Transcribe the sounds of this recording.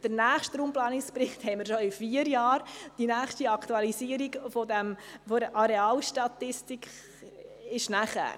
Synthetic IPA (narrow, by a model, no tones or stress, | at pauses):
d̥əɾnæːχʃtɾuːmplaːnɪkspɾɪχthɛɪməɾʃoɪfiəɾjɑːɾd̥inæːχʃtiɑktuɑlisiəɾiɡfodɛmfoɾəʔɑɾeɑːlʃtɑt̪ːɪstikχ | ɪʃnæχæ̰ːɾ